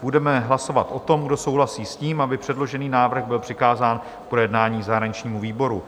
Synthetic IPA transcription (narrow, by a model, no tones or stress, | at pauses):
b̥udɛmɛɦlaso̞vat̪ʔo̞t̪o̞mɡdo̞sowɦlasiːsciːmabɪpr̝̥ɛdlo̞ʒɛniːnaːvr̩ɣbɪlpr̥ɪkaːzaːn | pɾo̞jɛdnaːɲiːzaɦɾaɲɪt͡ʃɲiːmuviːbo̞ɾu